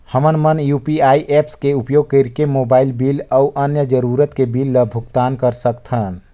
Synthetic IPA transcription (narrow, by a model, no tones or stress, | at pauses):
həmənmənjuːpiaːiʔepskeupjoːɡ̚kəɾkemoːbaːɪlbiːləʔənjəd͡ʒəɾuːɾət̪kebilːəbʱʊkt̪aːnkəɾsəkt̪ʰən